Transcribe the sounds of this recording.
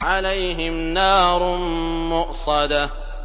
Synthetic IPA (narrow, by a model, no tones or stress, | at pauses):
ʕalajɦɪmnɑːɾˤmmʊʔsˤɑd̪a